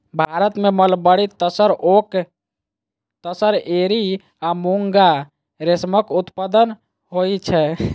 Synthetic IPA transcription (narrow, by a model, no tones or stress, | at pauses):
bʱaɾət̪meməlbəɽit̪əsəɾok | t̪əsəɾeɾi | amuŋɡa | ɾesməkut̪pəd̪ən | ɦojt͡ʃʰɛ